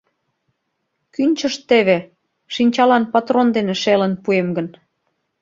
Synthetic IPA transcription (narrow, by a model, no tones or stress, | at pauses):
kynʲt͡ɕəʃt̪eβe | ʃinʲt͡ɕɑlɑnpɑt̪rond̪eneʃelənpuemɡən